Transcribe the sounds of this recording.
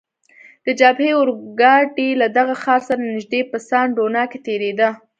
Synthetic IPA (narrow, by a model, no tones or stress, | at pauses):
d̪̥əd͡ʒabheʊɾɡɑʈilad̪aɣaxɑɾsaɾanɪʒd̪epəsɑnɖonɑket̪eɾed̪a